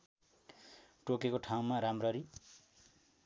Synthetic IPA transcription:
ʈokekoʈʰaw̃maɾamrʌɾi

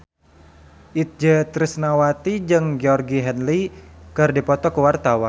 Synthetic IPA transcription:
ʔit̪̚d͡ʒət̪ɾisnawat̪id͡ʒɨŋɡeɔrɡiɦɛnlikɨrdipɔt̪ɔkəwart̪awan

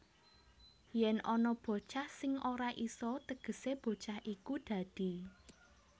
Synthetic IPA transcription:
jɛnɔnɔb̥o̤t͡ʃahsɪŋoɾaʔisɔt̪əɡ̥ə̤seb̥o̤t͡ʃahʔikud̪̥ä̤d̪̥i̤

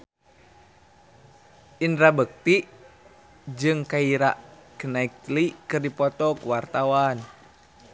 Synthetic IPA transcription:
indɾabək̚t̪iʔ | d͡ʒɨŋkaiɾaʔkənaik̚likɨrdipɔt̪ɔkuwart̪awan

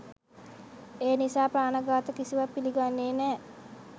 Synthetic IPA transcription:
eːnisaːpɾaːnəɡaːt̪əkisiʋapːiliɡanːeːnɛː

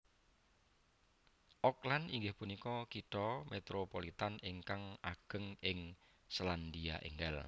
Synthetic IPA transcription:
ʔɔklaniŋɡɪhpunikɔkitɔmet̪ɾopolit̪aneŋkaŋaɡ̥ə̤ŋɪŋ | sland̪ia̰ʔḛŋɡɛ̰l

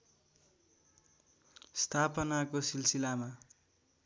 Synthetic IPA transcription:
st̪ʰapʌnakosilsilama

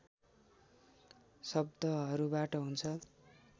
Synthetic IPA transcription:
sʌb̚d̪ʌʌɾubaʈʌɦunt͡sʰʌ

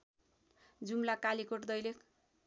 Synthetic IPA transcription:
d͡zumlakalikoʈd̪ʌjlek

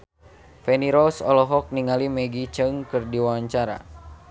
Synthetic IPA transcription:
fɛniɾɔsɔ̰lɔɦɔk̚niŋalimɛɡit͡ʃəŋkɨrdiwawaɲt͡ʃaɾa̰

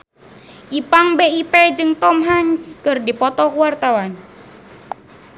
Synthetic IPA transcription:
ʔipaŋbeiped͡ʒɨŋt̪ɔmɦaɲskɨrdipɔt̪ɔkuwart̪awan

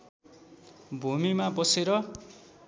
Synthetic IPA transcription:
bʱumimabʌseɾʌ

